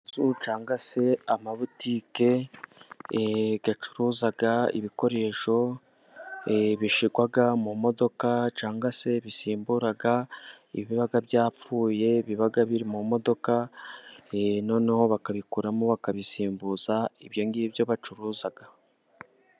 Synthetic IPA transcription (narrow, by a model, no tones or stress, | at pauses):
zut͡ʃaːŋɡase̞amaβutiːke̞ | ɡat͡ʃu̥ɾuːzaɡaḭβiko̞ɾe̞ʃo̞ | βiʃiɡwaɡamumo̞do̞kat͡ʃaːŋɡase̞βisiːmbuɾaɡa | iβiβaɡaβjaːp͡fuːje̞βiβaɡaβiɾimumo̞do̞ka | no̞ːnaho̞βakaβikuɾamoβakaβisiːmbuːzaiβjo̞ŋɡiβjo̞βat͡ʃuɾuːzaɡ̥a